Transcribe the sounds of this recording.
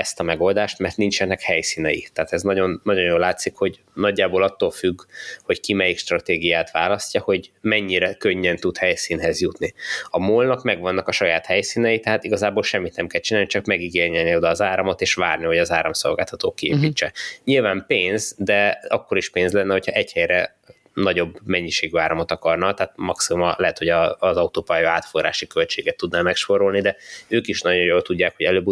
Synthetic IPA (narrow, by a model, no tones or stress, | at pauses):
ɛst̪ɒmɛɡo̞ld̪aːʃt̪mɛrt̪nint͡ʃɛnːɛkhɛjsiːnɛjḭt̪ɛːt̪ɛznɒɟo̞nːɒɟo̞njoːlːaːt̪sikho̞ɟ | nɒɟːaːboːlɒt̪ːoːlfyɡːho̞ckimɛjikʃt̪rɒt̪eːɡijaːt̪ʋaːlɒscɒho̞ɟmɛɲːiɾɛkøɲːɛnt̪ut̪hɛjsiːnɦɛzjut̪niɒmoːlnɒkmɛɡʋɒnːɒkɒʃɒjaːt̪hɛjsiːnɛjit̪ɛɦaːt̪iɡɒzaːbolʃɛmːit̪nɛmkɛlt͡ʃinaːlnit͡ʃɒkmɛɡiɡeːrɲɛlnio̞d̪ɒːzaːɾɒmo̞t̪eːʃʋaːrniho̞ɟɒzaːɾɒmso̞̰lɡaːlt̪ɒt̪oːkːiḛːpiːt͡ʃːɛɲilvaːmpeːnzd̪ɛɒkːo̞ɾiʃpeːnzlɛnːɛɦo̞chɒʔɛchɛjɾɛ | nɒɟo̞bmɛɲːiʃeːɡyaːɾɒmot̪ɒkɒrnɒt̪ɛɦaːt̪̚mɒksimumɒlɛɦɛt̪ho̞ɟɒzɒut̪oːpajɒaːt̪forɾa̰ːʃikølt͡ʃeːɡɛt̪ːud̪naːmɛkʃpo̞ɾo̞lnid̪ɛøːkiʃnɒɟo̞joːlt̪uɟːaːkho̞ɟɛløːbu